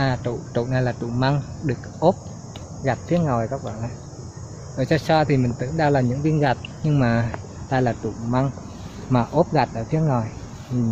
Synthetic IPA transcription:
t̪ṵ˧˨t͡ɕ̪ṵ˧˨na˨˩jlaː˨˩t͡ɕ̪u˧˩˨ma˧ŋɗɨ˨˩ək̚ʔo˦˥p̚ | ɣa˨˩t̚fʰi˨˦˥əŋɔ˨˩jkɔ˦˥k̚ɓa̰˧˩a˨˩ | zo˧˩jt͡ɕɔ˧sɔ˧t̪ʰi˨˩mï˨˩ŋ̟t̪ɨ̰˧˥əŋɗaː˧wlaː˨˩ɲɨ̰˧˥ŋvi˧ənɣa˨˩t̚ɲɨ˧ŋmaː˨˩ | t̪aː˧jlaː˨˩t̪ṵ˧˩˨ma˧ŋ | maː˨˩ʔo˦˥p̚ɣa˨˩t̚ʔəː˧˩fʰi˨˦əŋɔ˨˩j

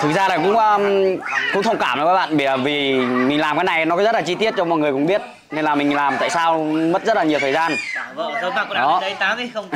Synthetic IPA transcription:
t̪ʰɨ˨˩k̚zaː˧laː˨˩kʊ̰˧˥ŋ͡məː˧ | kʊ̰˧˥ŋ͡mt̪ʰə˧wŋ͡mkaː˧˩mʔkːaː˨˦˥ɓa̰ː˧˨nɓi˨˧˩vi˨˩mï̟˨˩laː˨˩mkaː˨˦jna˨˩jn˨˦kɔ˨˦zə˦˥t̚laː˨˩t͡ɕi˧t̪i˦˥ət̚t͡ɕɔ˧ŋ͡mmɔ̰˧˨jŋɨ˨˩əjkʊ̰˧˥ŋ͡mɓi˦˥ət̚ | ne˧laː˨˩mï˨˩ŋ̟laː˨˩mt̪a̰ː˧˨saː˧wmə˦˥t̚zə˦˥t̚laː˨˩ɲi˨˩t̪ʰəː˨˩jzaː˧n˧ | ɗɔ˨˦˧

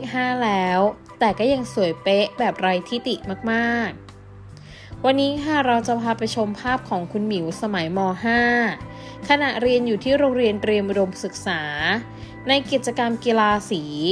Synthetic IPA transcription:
ɦaː˥˩lɛː˦˥w | t̪ɛː˨˩kɔː˥˩ja˧ŋsu˩˦əjpe˦˥ʔbɛː˨˩p̚ɾa˧jt̪ʰi˦˥t̪i˨˩ʔmaː˥˩k̚maː˥˩k̚ | wa˧nːiː˦˥kʰa˥˩ɾa˧wt͡ɕa˨˩pʰaː˧pa˧jt͡ɕʰo˧mpʰaː˥˩p̚kʰɔː˩˦ŋkʰu˧nmiː˩˦sa˧ma˩˦jmɔː˧ɦaː˥˩ | kʰa˧na˨˩ʔɾi˧ənjuː˨˩t̪ʰiː˥˩ɾoː˧ŋɾi˧ənɾi˧əmʔu˧do˧msɯ˨˩k̚saː˩˦ | na˧jki˨˩t̪̚t͡ɕa˧ka˧mki˧laː˧siː˩˦

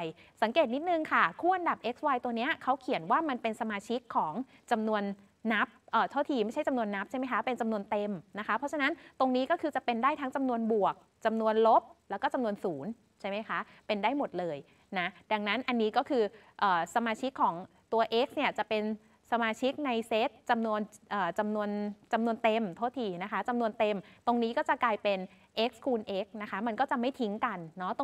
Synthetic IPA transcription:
j | sa˩˦ŋkeː˨˩t̪̚ni˦˥t̪̚nɯ˨˩ŋkʰa˥˩kʰuː˥˩ʔa˧nda˨˩p̚ʔe˦˥k̚swaː˧jt̪u˧əni˦˥ɐkʰa˦˥wkʰi˨˩˦ənwaː˥˩ma˧npe˧nsa˧maː˧t͡ɕʰi˦˥kʰːɔː˩˦ŋ | t͡ɕa˧mnu˧ənː | a˦˥p̚ʔəː˨˩t̪ʰaː˥˩t̪ʰiː˧ma˥˩jt͡ɕʰa˥˩jt͡ɕa˧mnu˧ənːa˦˥p̚t͡ɕʰa˥˩jma˦˥jkʰa˦˥pe˧nt͡ɕa˧mnu˧ənt̪e˧mna˦˥kʰa˦˥pʰːɔ˦˥t͡ɕʰa˧na˦˥nt̪o˧ŋniː˦˥kɔː˥˩kʰɯː˧t͡ɕa˨˩pe˧ndaː˥˩jt̪ʰa˦˥ŋt͡ɕa˧mnu˧ənbu˨˩ək̚ | t͡ɕa˧mnu˧ənlo˦˥p̚lɛː˦˥wkɔː˥˩t͡ɕa˧mnu˧ənsuː˩˦n | t͡ɕʰa˥˩jma˦˥jkʰa˦˥ʔ | pe˧ndaː˥˩jmo˨˩t̪̚lɤː˧j | na˦˥da˧ŋna˦˥nʔa˧nːiː˦˥kɔː˥˩kʰɯː˧ | ʔɤː˨˩sa˧maː˧t͡ɕʰi˦˥kʰːɔː˩˦ŋ | t̪u˧ɐʔeː˦˥k̚sni˥˩ɐt͡ɕa˨˩pe˧n | sa˧maː˧t͡ɕʰi˦˥k̚na˧jseː˦˥t̪̚t͡ɕa˧mnu˧ənʔɤː˨˩t͡ɕa˧mnu˧ənt͡ɕa˧mnu˧ənt̪e˧mt̪ʰo˥˩t̪ʰiː˧na˦˥kʰa˦˥t͡ɕa˧mnu˧ənt̪e˧mt̪o˧ŋniː˦˥kɔː˥˩t͡ɕa˨˩klaː˧jpe˧n | ʔe˦˥k̚skʰuː˧nʔe˦˥k̚na˦˥kʰa˦˥ma˧nkɔː˥˩t͡ɕa˨˩ma˥˩jt̪ʰi˦˥ŋka˧nːɔ˦˥t̪o˧

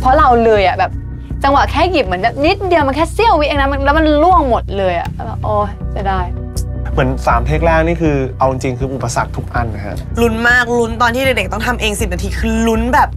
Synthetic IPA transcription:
pʰɔ˦˥ɾa˧wlɤː˧jʔa˨˩bɛː˨˩p̚ | t͡ɕa˧ŋwa˨˩kʰɛː˥˩ji˨˩p̚mɯ˩˦nbɛː˨˩p̚ni˦˥t̪̚di˧əwma˧nkʰɛː˥˩si˥˩əwi˦˥ʔeː˧ŋna˦˥ma˧lɛː˦˥wma˧nlu˥˩əŋmo˨˩t̪̚lɤː˧jʔa̰˨˩˧a˧˩ʔɔː˧˩t͡ɕa˧˩daː˥˩j | mɯ˩˦ənsaː˩˦mt̪ʰeː˥˩k̚lɛː˥˩k̚niː˥˩kʰɯː˧ʔa˧wt͡ɕi˧ŋt͡ɕi˧ŋkʰɯː˧ʔu˨˩pːa˧sa̰˨˩k̚t̪ʰu˦˥k̚ʔa˧nːa˦˥kʰa̰˦˥ʔlu˦˥nmaː˥˩k̚lu˦˥nt̪ɔː˧nt̪ʰiː˥˩de˨˩de˨˩k̚t̪ɔ˥˩ŋt̪ʰa˧mʔeː˧ŋsi˨˩t̪̚na˧t̪ʰiː˧kʰɯː˧lu˦˥nbɛː˨˩p̚

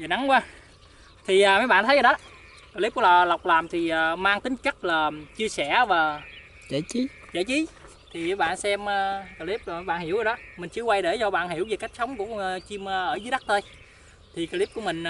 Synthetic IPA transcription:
jaː˨˩na˨˦ŋkwaː˧ | t̪ʰi˨˩ʔːmaː˨˦jɓa̰ː˧˨nt̪ʰə˨˦jːɗɔ˨˦ | kaː˧li˦˥p̚ku˧˩˦a˨˩la˨˩wk͡p̚laː˨˩mt̪ʰi˨˩ʔəː˨˩maː˧ŋt̪ï˨˦ŋ̟kə˦˥k̚laː˨˩t͡ɕɨ˧əsɛ˧˩vaː˨˩ | e˧˩i˨˦ | t͡ɕe˧˩t͡ɕi˨˦ | t̪ʰi˨˩aː˨˦jɓa̰ː˧˨nsɛ˧məː˧ka˧li˦˥p̚mː˨˧˦jɓa̰ː˧˨hɦi˧˩˦əwʔaː˨˧˩ɗɔ˨˦mï˨˩ŋ̟t͡ɕɨ˧əkwa˧jɗe˧˩zɔ˧ɓa̰ː˧˨nɦi˧˩əwve˨˩ka˦˥jk̚sə˨˦wŋ͡mku˧˩ə˧t͡ɕi˧məː˧ʔəː˧˩zjɗa˦˥k̚t̪ə˧j | t̪ʰi˨˩kaː˧li˦˥p̚ku˧˩əmï˨˩ŋ̟

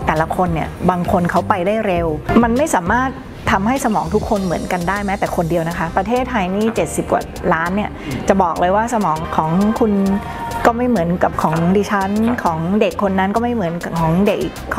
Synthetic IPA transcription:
t̪ɛː˨˩la˦˥kʰo˧nːi˥˩ɐbaː˧ŋkʰo˧nkʰa˦˥wpa˧jdaː˥˩jɾe˧wma˧nma˥˩jsaː˩˦maː˥˩t̪̚ʰːa˧mha˥˩jsa˧mɔː˩˦ŋt̪ʰu˦˥kʰːo˧nmɯ˩˦ənka˧ndaː˥˩jmɛː˦˥t̪ɛː˨˩kʰo˧ndi˧əwna˦˥kʰa˦˥pɾa˧t̪ʰeː˥˩t̪ʰːa˧jniː˥˩t͡ɕe˨˩t̪̚si˨˩p̚ka̰˨˩ | laː˦˥nːi˥˩ɐt͡ɕa˨˩bɔː˨˩k̚lʔɤː˧jwaː˥˩sa˧mɔː˩˦ŋkʰɔː˩˦ŋkʰu˧n | kɔː˥˩ma˥˩jmɯ˩˦ənka˨˩p̚kʰɔː˩˦ŋdiː˧˩t͡ɕʰa˦˥nkʰɔː˩˦ŋde˨˩kʰːo˧nːa˦˥nkɔː˥˩ma˥˩jmɯ˩˦ənkkʰɔː˩˦ŋde˨˩k̚ʔi˨˩

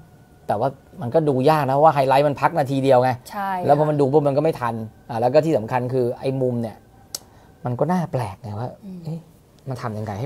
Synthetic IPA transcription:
t̪ɛː˨˩waː˥˩ma˧nkɔː˥˩duː˧jaː˥˩k̚na˦˥pʰɔ˦˥waː˥˩ɦa˧jla˦˥jma˧npʰa˦˥k̚naː˧t̪ʰiː˧di˧əwŋa˧˦t͡ɕʰa˥lɛː˦˥wpʰɔ˧ma˧nduː˧bɔː˦˥˩ma˧nkɔ˥˩ma˥˩jt̪ʰa˧nʔa˨˩lɛ˦˥kɔː˥˩iː˥˩a˩˦mkʰa˧nkʰɯː˧ʔa̰˧jmu˧mni˥˩ɐ | ma˧nkɔː˥˩naː˥˩plɛː˨˩k̚ŋa˧˩waː˥˩ʔɯ˦˥˩j | ma˧nt̪ʰa˧mt͡ɕa˧ŋɾa˧jha˥˩

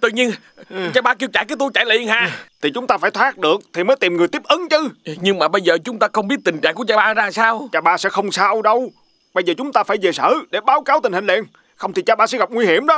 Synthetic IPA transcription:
t̪ɨ̰˧˨ɲi˧ən | t͡ɕaː˧ɓaː˧k̬i˧əwt͡ɕaː˧˩˨kaː˨˦jt̪u˧jt͡ɕaː˧˩jlnɦaː˧˨t̪ʰi˨˩t͡ɕʊ˨˦ŋ͡mt̪aː˧faː˧˩jt̪ʰwaː˦˥k̚ɗɨ˨˩ək̚t̪ʰi˨˩məː˨˦jt̪i˨˩mŋɨ˨˩əjt̪i˦˥p̚ʔəɨ˨˦nt͡ɕɨ˨˦ɲɨ˧ŋmaː˨˩ɓə˧jzəː˨˩t͡ɕʊ˨˦ŋ͡mt̪aː˧xə˧wŋ͡mɓi˦˥t̚t̪ï˨˩ŋ̟t͡ɕa̰ː˧˨ŋku˧˩ət͡ɕaː˧ɓaː˧zaː˧saː˧wt͡ɕaː˧˩ɓaː˧sɛ̰˧˥xə˧wŋ͡msaː˧wɗə˧w | ɓə˧jzəː˨˩t͡ɕʊ˨˦ŋ͡mt̪aː˧faː˧˩jve˨˩sə̰ː˧˩ɗe˧˩ɓaː˨˦wkaː˨˦wt̪i̟˨˩hï˨˩ŋ̟lɛ̰˧˨ən | xə˧wŋ͡mt̪ʰi˨˩t͡ɕaː˧ɓaː˧˩sɛ̰˧˥ɣa˨˩p̚ŋwi˧hi˧˩əmɗɔ˨˦

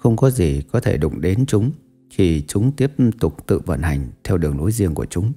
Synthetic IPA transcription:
xə˧wŋ͡mkɔ˨˦zi˨˩kɔ˨˦t̪ʰe˧˩ɗʊ̰˧˨ŋ͡mɗe˨˦nt͡ɕʊ˨˦ŋ͡m | kʰi˨˩t͡ɕʊ˨˦ŋ͡mt̪i˦˥əp̚t̪ʊ˨˩k͡p̚t̪ɨ̰˧˨və̰˧˨nha˨˩jŋ̟t̪ʰɛ˧wɗɨ˨˩əŋlo˨˦jzi˧əŋku˧˩ət͡ɕʊ˨˦ŋ͡m

